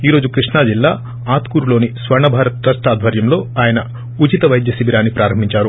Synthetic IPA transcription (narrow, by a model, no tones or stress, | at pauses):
iːɾo̞ːd͡ʒukɾiʂɳaːd͡ʒilːaː | aːt̪kuːɾuloːnisʋɐɾɳɐbʱaːɾɐt̪ɾɐsʈaːd̪ʱʋɐɾjɐmlo̞ːaːjɐnɐ | ut͡ʃit̪ɐʋɐjd̪jɐsibiɾaːnːipɾaːɾɐmbʱiɲt͡ʃaːɾu